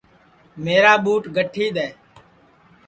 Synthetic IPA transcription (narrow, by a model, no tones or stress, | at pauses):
meːɾaːɓuːʈɡʱəʈʰiːɗ̪eː